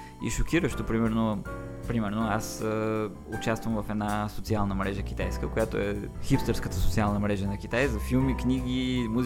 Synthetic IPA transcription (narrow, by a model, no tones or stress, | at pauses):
ḭʃok̟iɾəʃt̪opɾimɛɾno | pɾimɛɾnoasə | ʊt͡ʃast̪vəmvɐfɛd̪nasot̪sialˠnəmɾɛʒəkʲi̥t̪ajskəkojat̪oɛxipst̪əɾskət̪əsot̪sialˠnəmɾɛʒənɐk̟ʲit̪ajzɐfilˠmikniɡʲimuz